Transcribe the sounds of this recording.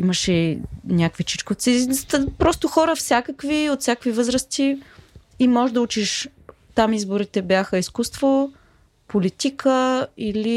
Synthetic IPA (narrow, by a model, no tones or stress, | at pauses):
iməʃɛnʲakvit͡ʃi̥t͡ʃkot̪sist̪əpɾɔst̪ʊxɔɾəfsʲjakəkviot̪sʲakkvivɤzɾəst̪i | imɔʒd̪ɐut͡ʃiʃ | t̪amizbʊɾit̪ɛbjaxəiskust̪vo | polit̪ikʰəili